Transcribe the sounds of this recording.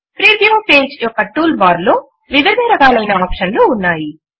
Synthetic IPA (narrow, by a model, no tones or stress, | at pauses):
pɾiːd̪jɐʋɐpeːd͡ʒjɔkːɐʈuːlbaːɾloː | ʋid̪ɐɾd̪iɾɐkaːlɐjnɐaːpʂɐnluːnːaːji